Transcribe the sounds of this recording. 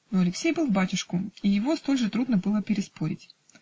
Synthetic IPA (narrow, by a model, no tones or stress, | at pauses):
oɐlʲɪksʲejbɨlˠvbatʲʊʂkʊijɪvo̞st̪o̞lʲʐɨt̪ɾud̪nəbɨlˠəpʲɪɾʲɪspo̞ɾʲɪ̰tʲ